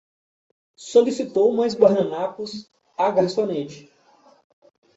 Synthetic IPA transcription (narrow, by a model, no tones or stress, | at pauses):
solisit̪owmajzbaɾnɐ̃nakus | aɡasonet͡ʃɪ̥